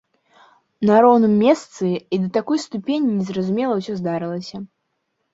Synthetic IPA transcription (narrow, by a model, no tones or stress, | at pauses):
nɐɾɔwnɨmːʲɛst̪sɨid̪ɐt̪akɔjst̪upʲenʲinʲɛzrɐzumʲɛlˠɐwsʲɔzd̪aɾɨlˠɐsʲɐ